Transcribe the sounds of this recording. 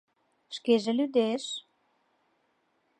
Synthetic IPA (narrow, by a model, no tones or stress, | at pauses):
ʃkeʒĕlyd̪eʃ